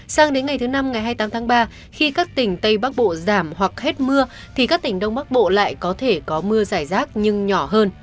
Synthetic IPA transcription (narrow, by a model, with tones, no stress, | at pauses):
saː˨˧ŋɗe˨˦nŋa˨˩jt̪ʰɨ˨˦na˧mŋa˨˩jɦaː˧jt̪aː˨˦mt̪ʰːŋɓaː˧ | xi˧kaː˦˥k̚t̪ï˧˩ŋ̟t̪ə˧jɓaː˦˥k̚ɓo̰˧˨zaː˧˩mhwa˨˩k̚he˦˥t̚mɨ˧ə | t̪ʰi˨˩kaː˦˥k̚t̪ï˧˩ŋ̟ɗə˧wŋ͡mɓa˦˥k̚ɓo̰˧˨la̰ː˧˨jkɔ˨˦t̪ʰe˧˩kɔ˨˦mɨ˧əzaː˧˩jzaː˦˥k̚ɲɨ˧ŋɲɔ˧˩ɦəː˧n